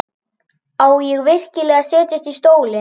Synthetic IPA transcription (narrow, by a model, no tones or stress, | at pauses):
aːwjɛɣvɪr̥cɪlɛːɣasɛːc̪ast̪ist̪oːwlɪ